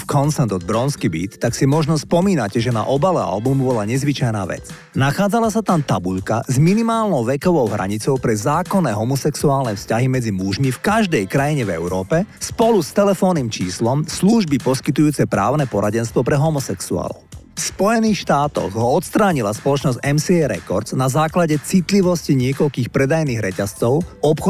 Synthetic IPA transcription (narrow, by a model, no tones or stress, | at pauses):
fkʰɔnsɛnd̪ɔd̪̚bɾɔnskibḭːt̪ːaksimɔʒnɔspɔmiːnacɛʒɛna̰ʔɔbalɛa̰lbumbɔlaɲɛzʋit͡ʃajna̰ːʋɛ̰t͡s | naxaːd͡zalasat̪amt̪abuʎka̰zminimaːlnɔʊʋɛkɔʋɔʊɦɾʔa̰ɲit͡sɔʊpɾɛzaːkɔnːɛɦɔmɔsɛksuaːlnɛfscaɦimɛd͡zimuʒmifkaʒd̪ɛjkɾajiɲɛvɛ̰ʊɾɔːpɛspɔlust̪ɛlɛfɔːniːmt͡ʃiːslɔmsluʒbipɔskit̪ujuːt͡sɛpɾa̰ːʊnɛpɔɾaɟɛnst̪ʋɔpɾɛɦɔmɔsɛksua̰ːlɔ̰ʊ | fspɔjɛniːxʃt̪aːt̪ɔ̰ɣɦɔɔt̪st̪ɾaːɲilaspɔlɔt͡ʃnɔzɟɛmsiɛɾɛ̰kɔɾznazaːklaɟɛt͡sit̪liʋɔsciɲɪɛkɔʎkiːxpɾɛd̪ajniːɣɾɛcast͡sɔʊɔpxɔ